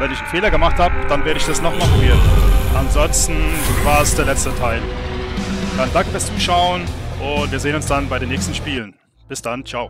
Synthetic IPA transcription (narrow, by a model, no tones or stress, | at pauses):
vɛnɪçn̩feːlɐɡəmaχthaːbəd̥anveːɐɾəɪçd̥asnɔχmaχn̩veɐdn̩ʔanzɔnstn̩vaːɐsd̥eːɐlɛt͡stətʰaɪl | d̥andaŋkfɪɐst͡suːʃaʊənʔʊntv̥iːɐzeːənʊnsd̥anbaɪɾeːnːɛːçstn̩ʃpiːlən | b̥ɪsd̥ant͡ʃaʊ